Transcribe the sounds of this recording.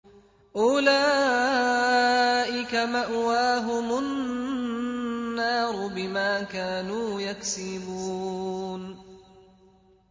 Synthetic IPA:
ʔʊlaː | ʔɪkamaʔwaːɦʊmʊnnː | ɑːɾˤʊbɪmaːkaːnuːjaksɪbuːn

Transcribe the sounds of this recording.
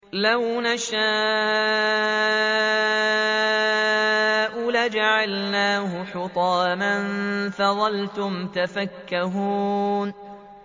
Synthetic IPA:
lawnaʃaː | ʔulad͡ʒaʕalnaːhʊħʊt̪ˤɑːmanfaðˤɑlt̪ʊmt̪afakːaɦuːn

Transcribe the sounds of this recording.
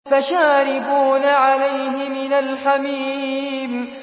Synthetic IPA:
faʃaːɾɪbuːnaʕalajɦɪmɪnalħamiːm

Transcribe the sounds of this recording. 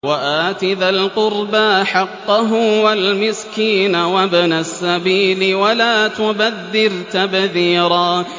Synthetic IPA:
waʔaːt̪ɪðalqʊɾbaħɑqːɑɦʊwalmɪskiːnawabnasːabiːlɪwalaːt̪ʊbaðːɪɾt̪abðiːɾaː

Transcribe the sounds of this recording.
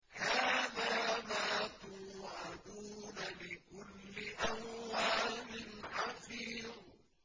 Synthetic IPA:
haːðaːmaːt̪uːʕaɑd̪uːnalɪkʊlːɪʔamwaːlɪnħɑfiːð

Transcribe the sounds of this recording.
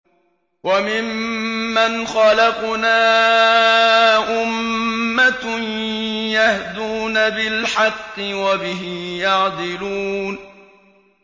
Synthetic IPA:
wamɪmːanxɑlɑqnaː | ʔʊmːatnjahd̪uːnabɪlħɑqːɨwabɪɦɪjɑʕd̪ˤɪluːn

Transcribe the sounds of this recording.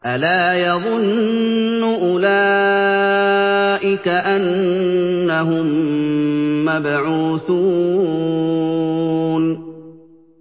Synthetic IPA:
ʔalaːjɑðˤʊnː | ʊʔʊlaː | ʔɪkaʔanː | aɦʊmː | abʕuːθuː | n

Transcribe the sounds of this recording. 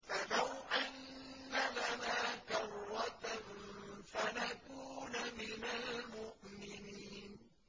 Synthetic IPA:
falawʔanːalanaːkɑrˤːat̪anfanakuːnamɪnalmʊʔmɪniːn

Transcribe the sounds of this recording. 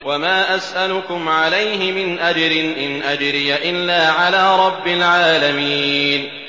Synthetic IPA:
wamaːʔasʔalʊkʊmʕalajɦɪmɪnʔad͡ʒɾɪnʔɪnʔad͡ʒɾɪjaʔɪlːaːʕalaːɾˤɑbːɪlʕaːlamiːn

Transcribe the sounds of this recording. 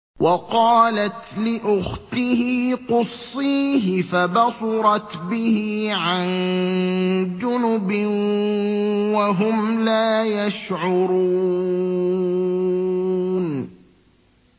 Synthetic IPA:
wʔɑqɑːlat̪lɪʔʊxt̪ɪhiːqʊsˤːiːɦɪfabɑsˤɑɾˤɑt̪bɪhiːʕan | d͡ʒʊnʊbɪ | waɦʊmlaːjaʃʕʊɾuː | n

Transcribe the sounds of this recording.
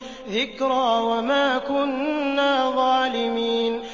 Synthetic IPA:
ðɪkɾaːwamaːkʊnːaːðˤɑːlɪmiːn

